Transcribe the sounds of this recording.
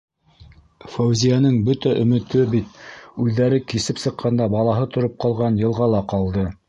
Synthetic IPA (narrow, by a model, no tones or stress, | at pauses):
fowzʲijanɤɴbɵt̪æʔɵ̆mɵ̆t̪ɵbit̪ʉðːæɾɘkisɘpsɤ̆qʰːɑnd̪ɑbɑlˠɑɦɤt̪ŏɾop̚qɑlˠʁɑnjɤ̆lˠʁɑlˠɑqɑlˠd̪ɤ